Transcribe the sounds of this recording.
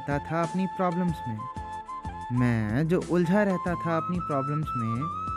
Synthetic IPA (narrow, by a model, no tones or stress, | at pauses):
t̪at̪ʰaɐpnipɾaːbləmsmẽː | mɛ̃ːd͡ʒoːʔʊld͡ʒʱaɾɛɦt̪at̪ʰaɐpnipɾaːbləmsmẽ